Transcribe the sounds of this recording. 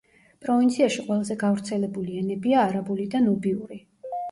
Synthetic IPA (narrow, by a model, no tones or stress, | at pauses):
pʼɾɔvint̪sʰiaʃiqʼwɛlˠazɛɡavɾt̪sʰɛlɛbuliɛnɛbiaːɾabulid̪anɔbiuɾi